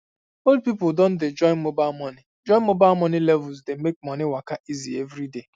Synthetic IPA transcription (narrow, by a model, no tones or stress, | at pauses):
old̚pipʊldɔ̃n̩tded͡ʒɔɪ̃nmobalmɔni | d͡ʒɔ̃nmobamɔnilɛvʊlzdemek̚mɔniwakaʔizievɾide